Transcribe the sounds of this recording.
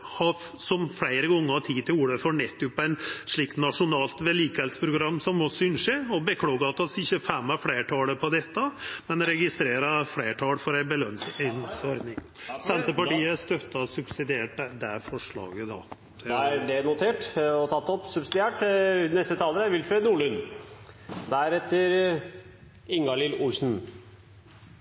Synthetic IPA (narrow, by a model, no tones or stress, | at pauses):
hɑ | sɔmfleɪɾəɡɔŋːəɾɑt̪ʰiːt̪ʰɪluːɖəfɔɳɛt̪ːʉpːæɪnʂɭiːkt̪nɑʂʊnɑːlt̪ʋɛliːkəɛlsə̥pʰɾʊɡɾɑmːsɔmːɔsʏnʂeɔbəkʰlɑːɡɑt̪ɑsɪçːəfɛmːæɾfleːʈʰɑːləpʰɔd̪ɛt̪ːəmɛnɾɛɡɪst̪ɾeːɾɑfleːʈʰɑːlfɔɾæɪbəlœnsɛnsɔɾd̪nɪŋ | sɛnt̪əpɑʈiːəæʂt̪œt̪ːɑsʉbsɪd̪ɪeːʈd̪æfɔʂɭɑ̰ːɡəd̪ɑ̰ | æɖɛnʊt̪ʰeːʈɔt̪ʰɑt̪ːɔpsʉbsɪd̪ɪeːʈnɛst̪ət̪ʰɑːlədæɾʋɪlfɾenuːɭʉn | d̪æɾɛt̪ːəɾ | ɪŋɡɑlɪlʊsn̩